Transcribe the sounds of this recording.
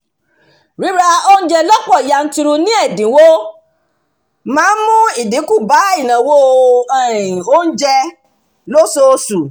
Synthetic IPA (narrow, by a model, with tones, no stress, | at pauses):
ɾi˨˦ɾa˧o˦n̩˦d͡ʒɛ˧lɔ˦k͡pɔ˦˨i˨ja˧˨n̩˦ti˧ɾu˧nĩ˦ɛ˦˨dĩ˨˦wo˦ | mãː˦mũ˦i˦˨di˨˦ku˦˨ba˨˦i˦˨nã˨wo˦ɛ˦˨ɾ̃ĩ˨o˦n̩˦d͡ʒɛ˧ | lo˦so˧su˨